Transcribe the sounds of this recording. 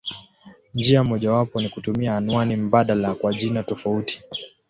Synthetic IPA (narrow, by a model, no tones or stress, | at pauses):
ɲd͡ʒiamɔʄawapɔnikutumiaːnwanim̩baɗalakwaʄinatɔfauti̥